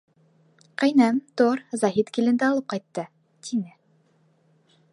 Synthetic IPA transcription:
qɘ̆jnæmt̪oɾzɑɦit̪kilɘ̆nd̪æːlˠɤp̚qɑjt̪ːɤ | t̪ʰinɘ

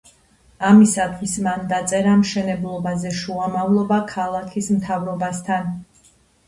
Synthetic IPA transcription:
amisad̪ʁismand̪at̪sʼɛɾamʃɛnɛblˠɔbazɛʃuamavlˠɔbakʰalˠakʰismt̪ʰavɾɔbast̪ʰan

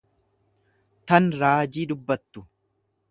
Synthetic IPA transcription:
t̪ɐnɾaːd͡ʒiːd̪ʊbːɐt̪ːʊ

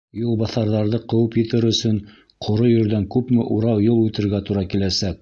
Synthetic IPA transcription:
julˠbɑθɑɾðɑɾðɤqɤ̆wɤpjɘ̆t̪ɘɾɵ̆sɵn | qʰŏɾojɵ̆ɾd̪æŋkʉpmɘʔuɾɑwjolˠʉt̪ɘ̆ɾɡæt̪uɾɑkilæsæk̚

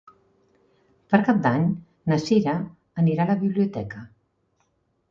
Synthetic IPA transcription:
pəɾkap̚d̪aɲ | nəsiɾəː | niɾaləβiβliut̪ɛkə

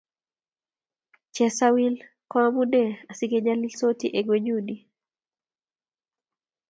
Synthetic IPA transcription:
t͡ʃɛsawil | kɔabudɛasikɛd͡ʒalilsotiʔɛɡwed͡ʒudi

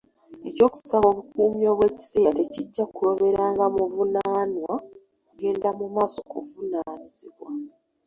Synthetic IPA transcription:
eco̞ːku̥saβo̞ːβukuːmjo̞ːβwe̞ːci̥se̞ːɾate̞ciɟːakuɾo̞βe̞ɾaːŋɡamuvunaːnwa | kuɡe̞ːndamumaːso̞kuvunaːniziβwa

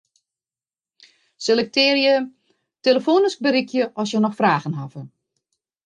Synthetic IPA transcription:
selɛk̚tɪːrjə | teləfoːnɪsk̚bəɾikʰjəʔɔs̬jənɔxfraːɣənɦavə

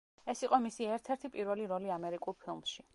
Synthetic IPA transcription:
ɛsiqʼɔmisiɛɾt̪ʰɛɾt̪ʰipʼiɾvɛliɾɔliamɛɾikʼulˠpʰilˠmʃi

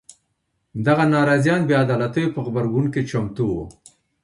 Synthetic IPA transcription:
d̪aɣanɑɾɑzjɑnbead̪ɑlat̪əjopəɣbaɾɡunket͡ʃamt̪uwo

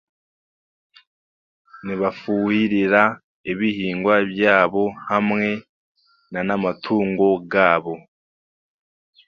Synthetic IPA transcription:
niβafuhiɾiɾa | eβihiːŋɡwabjaːβo̞hamŋe̞ | nanamatʰuːŋɡo̞ɡaːβo̞

